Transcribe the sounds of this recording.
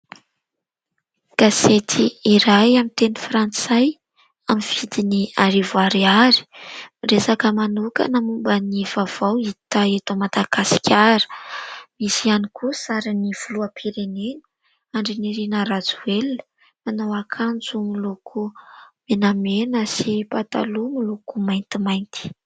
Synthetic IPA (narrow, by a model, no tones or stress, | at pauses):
ɡ̥aset̪ʰiiɾajamint̪enifɾant͡saj | amiv̥id̪iniaɾivuaɾiaɾi̥miresakəmanuka̰nəmumbəniv̥av̥awit̪aet̪omat̪aɡasi̥kʰʲaɾə̥misianikʰusaɾiniv̥uluapʰiɾenenə | aɳɖ͡ʐiniɾinəɾad͡zuelə̥ | anawakʰand͡zumilukʰumenamenəsipat̪a̰lumilukumajnt̪imajnt̪i̥